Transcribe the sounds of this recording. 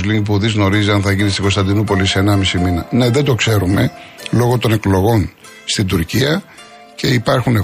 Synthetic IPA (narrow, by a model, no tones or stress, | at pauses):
zliŋkp̬uðizno̞ɾiziɐnθɐʝinist̪iko̞st̪ɐnd̪inupo̞liseenɐmisiminɐne̞ðe̞d̪o̞kse̞ɾume̞lo̞ɣo̞t̪o̞ne̞klo̞ɣo̞n | st̪id̪uɾciɐ | ce̞ipɐɾxune